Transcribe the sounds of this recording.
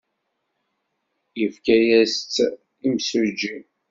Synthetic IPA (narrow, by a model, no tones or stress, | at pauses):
jəfkæjæst͡sː | imsɾd͡ʒːi